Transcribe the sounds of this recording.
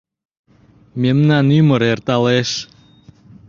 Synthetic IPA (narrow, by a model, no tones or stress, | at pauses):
memnanyməɾert̪ɑleʃ